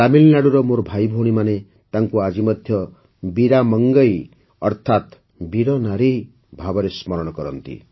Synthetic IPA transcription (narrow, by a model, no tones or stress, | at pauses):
amilnaɽuɾɔmoɾbʱajbʱoɽ̃imane | t̪aŋkuad͡ʒimɔd̪ʱjɔ | biɾamɔŋɡɔj | ɔɾt̪ʰat̪ | biɾɔnaɾi | bʱabɔɾesmɔɾɔɽ̃ɔkɔɾɔnt̪ḭ